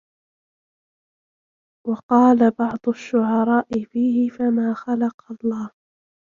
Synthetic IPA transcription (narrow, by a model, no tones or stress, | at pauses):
wɑqɑːlabɑʕd̪ˤʊʃːʊʕɑɾˤɑːʔɪfiːhɪfamaːxalɑqɑlˤːɑːh